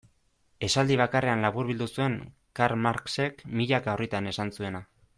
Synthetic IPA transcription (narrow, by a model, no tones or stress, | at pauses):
e̞sald̪iβ̞akare̞anlaβuɾβild̪usue̞ŋ | kaɾmaɾkse̞kmiʎakaorit̪ane̞sansue̞na